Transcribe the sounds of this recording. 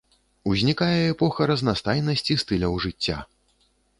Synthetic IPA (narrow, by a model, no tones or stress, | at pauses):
uzʲnʲikajɛɛpɔxɐɾɐznast̪ajnɐsʲt͡sʲist̪ɨlʲɐwʐɨt͡sʲːa̰